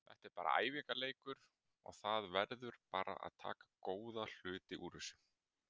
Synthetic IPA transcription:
θɛ̰ht̪ɛɾpaːɾa̰a̰ːjvikaleːjkʏɾ̥ | ɔ̰ɣθaðvɛɾðʏɾpaːɾa̰ʔa̰ðt̪ʰa̰ːkḁkoːwðal̥ʏːt̪ɪʔuːɾʏsʏ

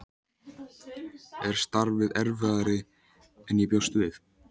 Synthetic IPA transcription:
ɛɾ̥st̪aɾvɪðɛɾvɪðaɾɪ | ɛnjɛpjowst̪vɪθ

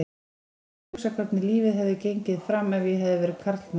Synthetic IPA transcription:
ksakʰap̪nɪliːvɪðɦɛvðɪcejɲcɪðfɾamːɛvjɛɦɛvðɪvɛːɾɪðkʰaɾt̪ln

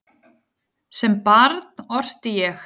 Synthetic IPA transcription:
sɛmpaɾt̪nɔr̥t̪ɪjɛx

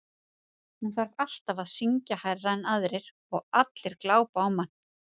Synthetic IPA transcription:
mɛnθaɾ̥fal̥t̪avaðsiɲcahajraɛnaðɾɪɾ̥ | ɔɣat̪lɪɾ̥klaːwpaːwmːan̥ː

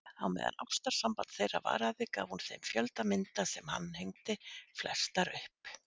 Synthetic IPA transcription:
awmɛ̰ːða̰nʔawst̪aɾ̥sampant̪θejra̰va̰ːɾaðɪkaːvhunθejmfjœlt̪amɪnt̪asɛmha̰nːhejŋt̪ɪflɛst̪aɾʏhp

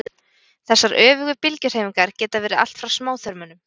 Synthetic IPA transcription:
θɛsːaɾʔœːvʏɣʏpɪlcʏɾ̥heːjmiŋkaɾ̥cɛːt̪avɛːɾɪða̰l̥t̪fɾawsmaːwθœɾmʏnʏm

